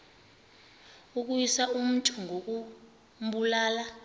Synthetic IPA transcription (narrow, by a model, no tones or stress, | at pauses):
uk̬ujisaum̩tʼʰuŋʱok̬u | mɓulaːla